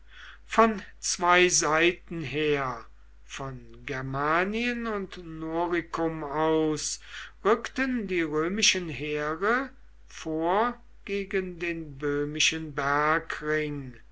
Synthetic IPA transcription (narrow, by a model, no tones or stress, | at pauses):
fɔnt͡sv̥aɪzaɪtn̩ɦeːɐ | fɔnɡɛɐmaːniənʊntnoːʁɪkʰʊmaʊsʁʏktəndiːʁøːmɪʃənɦeːʁə | foːɐ | ɡ̥eːɡəndeːnbøːmɪʃənbæɐkʁɪŋ